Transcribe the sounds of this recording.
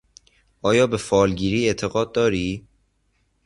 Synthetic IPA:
ʔɒːjɒːbefɒːlɟiːɾiːe̞t̪ʰe̞ɣɒːd̪̚ːɒːɾiː

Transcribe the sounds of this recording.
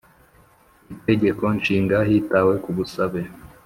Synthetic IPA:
ite̞ɟe̞ko̞nʃiːŋɡaɦiːtawe̞kuβusaβe

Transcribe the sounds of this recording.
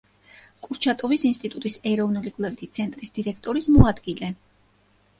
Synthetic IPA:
kʼuɾt͡ʃʰat̪ʼɔvisinst̪ʼit̪ʼut̪ʼisɛɾɔvnulikʼlɛvit̪ʰit̪sʰɛnt̪ʼɾisd̪̥iɾɛkʰt̪ʼɔɾismɔad̪ɡilɛ

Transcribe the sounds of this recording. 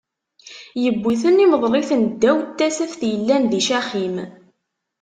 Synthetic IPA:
jəbːiθəniməðˤlɪθnd̪ːæwt̪ːæsæfθjəlːænðiʃæχim

